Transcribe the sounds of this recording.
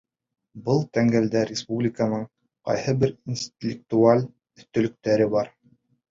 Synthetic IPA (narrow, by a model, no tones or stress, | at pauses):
bɤlˠt̪æŋɡæld̪æɾʲɪspublʲɪkənɤɴ | qɑ̰jhɤbɘɾinsʲt̪ʲɪlʲɪk̚t̪ualʲ | ɵ̆θt̪ɵ̆lɵ̆k̚t̪æɾɘbɑɾ